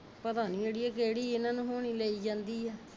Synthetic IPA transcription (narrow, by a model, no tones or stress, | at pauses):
pəd̪aːniːeːɽiːɛːkeːɽiːɪnãːnũːɦoːɽ̃iːləːiːd͡ʒãːnd̪iːɛː